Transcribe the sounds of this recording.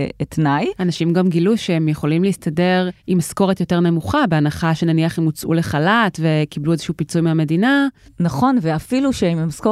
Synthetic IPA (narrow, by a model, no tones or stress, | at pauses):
etnajanaʃimɡamɡiluʃeemjeχo̞limleistade̞ʁʔimasko̞ʁetjo̞te̞ʁne̞muχabe̞anaχaʃe̞naniaχemut͡sʔṵle̞χalatve̞kibluezeʃuupit͡sujmeame̞dinanaχo̞nveafiluʃeimmasko